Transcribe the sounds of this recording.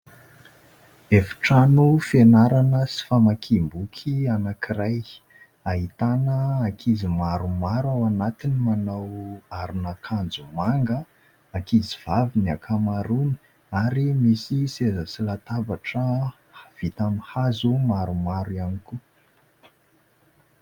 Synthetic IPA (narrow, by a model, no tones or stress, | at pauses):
efi̥ʈ͡ʂanufenaɾanəsi̥famakʰimbukʰianakiɾaj | aɦit̪anəakʰizimaɾumaɾawanat̪inimanawaɾunakʰand͡zumaŋɡə | akiziv̥aviniakʰamaɾunə̥ | aɾimisisezəsilat̪abaʈ͡ʂə | v̥it̪amihazumaɾumaɾuianiku